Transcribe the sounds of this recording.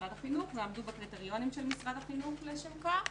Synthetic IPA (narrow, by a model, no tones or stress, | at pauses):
ʁad̪aχinuχmeabd̪ubekʁit̪eʁjo̞nimʃelmisʁad̪aχinuχleʃeka